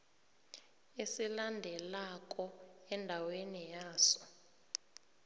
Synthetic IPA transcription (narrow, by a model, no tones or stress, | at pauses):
esilandʱɛlakʼɔɛndʱawenijaːsɔ̥